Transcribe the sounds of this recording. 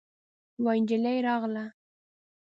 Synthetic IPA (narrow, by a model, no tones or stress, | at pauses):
wɑnd͡ʒɪlajɾɑʁla